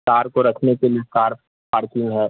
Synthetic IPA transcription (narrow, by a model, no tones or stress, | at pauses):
kaːɾkoɾɐkʰnekelijekaːɾ | paːɾkɪ̃ŋɡɦɛː